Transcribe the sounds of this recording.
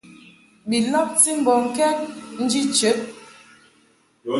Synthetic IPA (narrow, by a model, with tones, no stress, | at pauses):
bi˨lɔ˦p̚ti˦m̩˦bɔ˨ŋ̩˦kɛ˦k̚n̩˦d͡ʒi˦t͡ʃə˨˦ʔ̚